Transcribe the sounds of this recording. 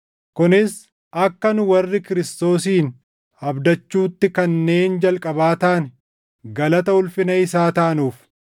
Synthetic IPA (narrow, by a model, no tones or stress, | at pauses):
kʊnɪs | ʔɐkːɐnʊwɐrːɪkɪɾɪst̪o̞ːsiːn | ɐbd̪ɐt͡ʃːuːt̪ːɪkɐnːe̞ːnd͡ʒɐlkʼɐbaːt̪aːnɛ | ɡɐlɐt̪ɐʊlfɪnɐɪsaːt̪aːnuːf